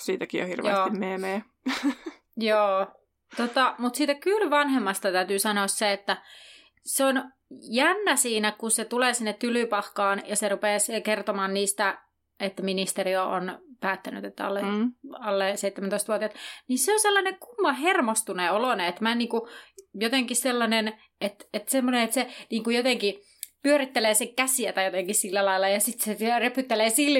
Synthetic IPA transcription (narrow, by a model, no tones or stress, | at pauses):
siːt̪ækijjo̰hḭrʋj̰osːimmeːmeː | joː | t̪ot̪ɑmut̪siːt̪ækylʋɑnhemːɑst̪ɑt̪æyt̪yːsɑnoɑsseet̪ːæ | seon | jænːæsiːnækunset̪uleːsinːet̪ːylypɑhkɑːnjɑserupeːskert̪omɑːnniːst̪æ | et̪ːæminist̪erioʔo̰npæːt̪ːæny̰t̪et̪ːæɑ̰lːeɑlːeseit̪ːemænt̪oˑist̪ʋuot̪iɑt̪niseoselːɑneŋkumːɑhermost̪uneoloneet̪mæniːŋkujot̪eŋkisselːɑnen | et̪et̪semːoneet̪seniːŋkujot̪eŋki | pyøɾit̪ːeleːseŋkæsiæt̪æjot̪eŋkissilːælɑilːˑɑjɑsit̪set̪ørepyt̪ːeleːsilː